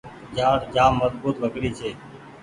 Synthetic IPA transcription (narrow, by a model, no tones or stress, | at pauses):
d͡ʒaːʈd͡ʒaːmːəzbuːt̪ʋəkɽiːt͡ʃʰeː